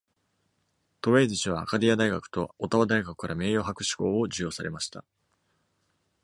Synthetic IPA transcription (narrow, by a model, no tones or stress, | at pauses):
t̪o̞βe̞ːziɕiβ̞aːkad̪ʲijad̪aiɡakɯ̟̥t̪o̞ot̪aβad̪aiɡakɯ̟kaɾame̞ːjoːɦakɯ̟ɕi̥ko̞ːod͡ʑɨjo̞ːsaɾe̞̰maɕi̥t̪a̰